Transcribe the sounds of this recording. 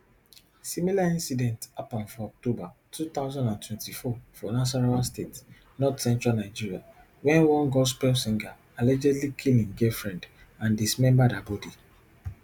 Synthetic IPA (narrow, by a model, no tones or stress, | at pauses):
similaĩnsidɛ̃ntapɔ̃nfɔɔk̚tobatʰut̪aʊzɔ̃ndãntʰwɛ̃ntifɔfɔnas̬aɹawastet | nɔdsɛ̃ntɹalnaɪd͡ʒiɹia | wɛ̃nwɔ̃ŋɡɔspɛlsĩŋɡa | elɛd͡ʒɛdlikʰilĩŋɡɛfɹɛ̃nd | ãndismɛ̃mbadabɔdi